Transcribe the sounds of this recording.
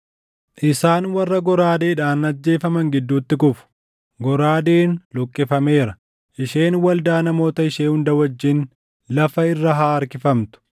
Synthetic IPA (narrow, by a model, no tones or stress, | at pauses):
ʔɪsaːnwɐrːɐɡɔɾaːd̪eːᶑaːnːɐd͡ʒːe̞ːfɐmɐŋɡɪd̪ːuːt̪ːɪkʊfʊ̥ | ɡɔɾaːd̪eːnlɔkʼːɪfɐme̞ːɾɐ | ʔɪʃeːnwɐld̪aːnɐmo̞ːt̪ɐɪʃeːhʊnd̪ɐwɐd͡ʒːɪn | lɐfɐɪrːɐɦaːɐɾkɪfɐmt̪ʊ̥